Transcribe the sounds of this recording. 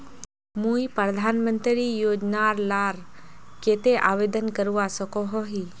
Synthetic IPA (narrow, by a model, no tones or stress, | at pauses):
mũipəɾd̪ʱaːnmənt̪ɾijoːd͡ʒnaːɾlaːɾ | keːt̪eʔaːʋeːd̪ənkəɾuʋasəkoɦoɦi